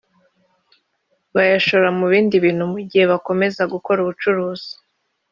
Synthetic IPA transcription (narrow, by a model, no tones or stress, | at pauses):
βajaʃo̞ɾamuβiːndiβiːn̥humuɟihe̞βako̞me̞zaɡuko̞ɾuβut͡ʃuɾuːz̥i̥